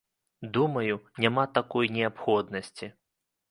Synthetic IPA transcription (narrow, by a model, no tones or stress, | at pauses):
d̪umɐjunʲamat̪akɔjnʲɛapxɔd̪nɐsʲt͡sʲi